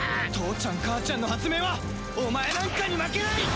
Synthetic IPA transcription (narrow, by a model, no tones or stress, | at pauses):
t̪o̞ːt͡ɕãŋkaːt͡ɕãnːo̞hat͡sɨme̞βa | omae̞nãŋkaɲ̟imakenai